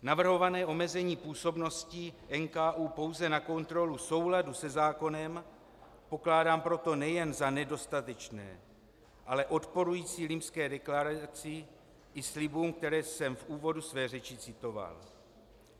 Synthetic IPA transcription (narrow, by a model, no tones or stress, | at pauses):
navr̩ɦo̞vanɛːʔo̞mɛzɛɲiːpuːso̞bno̞scɪʔɛnkaːʔuːpo̞wzɛnako̞nt̪ɾo̞luso̞wladusɛzaːko̞nɛm | po̞klaːdaːmpɾo̞t̪o̞nɛjɛnzanɛdo̞st̪at̪ɛt͡ʃnɛ̰ː | ʔalɛʔo̞t̪po̞ɾujiːt͡siːlɪmpskɛːdɛklaɾat͡sɪ | ʔɪslɪbuːmk̚t̪ɛɾɛːsɛmfʔuːvo̞dusvɛːrɛt͡ʃɪt͡sɪt̪o̞va̰l